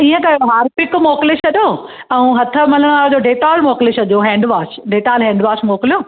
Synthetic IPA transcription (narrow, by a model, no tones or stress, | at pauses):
iːə̃kɐjoɦaːɾpɪkmoːkɪleʃɐɗoː | ɛ̃ũɦɐt̪ʰə̆mɐləɽ̃ʋaːɾd͡ʑoːɖeːʈaːlmoːkleʃɐʄoɦɛ̃ːɳɖʋaːʃɖeːʈaːlɦɛ̃ːɳɖʋaːʃmoːklijoː